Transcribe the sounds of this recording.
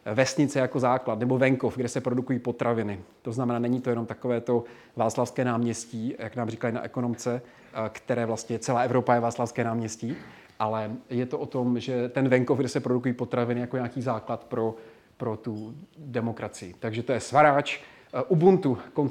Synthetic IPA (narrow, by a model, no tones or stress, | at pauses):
vɛst̪ɲɪt͡sɛjako̞zaːklat̪nɛbo̞vɛŋkofɡdɛsɛpɾo̞dukujiːpo̞t̪ɾʔavɪnɪt̪o̞znamɛnaːnɛɲiːt̪ojɛno̞mt̪akovɛːt̪o̞ | vaːt͡slafskɛːnaːmɲɛsciːjaknaːmrikajina̰ʔɛko̞no̞mt͡sɛ | kt̪ɛɾɛːvlast̪ɲɛt͡sɛlaːʔɛvɾo̞pajɛvaːt͡slafskɛːnaːmɲɛsciː | ʔalɛjɛt̪oʔot̪o̞mʒɛt̪ɛnvɛŋkovɡdɛsɛpɾodukujiːpo̞t̪ɾavɪnɪjako̞ɲaːkiːzaːklat̪pɾo̞ | pɾot̪udɛmo̞kɾat͡sɪjɪt̪aɡʒɛt̪ojɛsvaɾaːt͡ʃ | ʔubunt̪ukon